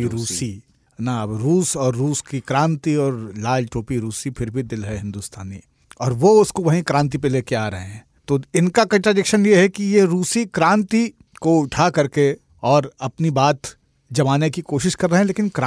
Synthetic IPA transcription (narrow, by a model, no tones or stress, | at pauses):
iɾuːsi | nɐbɾuːsɔːɾːuːskikɾãːnt̪iɔːɾlaːd͡ʒʈoːpiɾuːsipʰɪɾbʱid̪ɪlɦɛɦɪ̃nd̪ʊst̪ʰa̰ːni | ɔːɾʋoʊskoʋɐɦĩkɾãːnt̪̬ip̬eleːkeaːɾɐɦeɦɛ̃ːt̪oːɪnkakɐ̃ɳʈɾaːɖɪkʃənjeɦɛkijeɾuːsikɾãːnt̪i | koʊʈʰakɐɾke | ɔːɾɐpnibaːt̪ | d͡ʒɐʋaːnekikoːʃɪʃkɐɾːɐɦɛ̃leːkɪnkɾa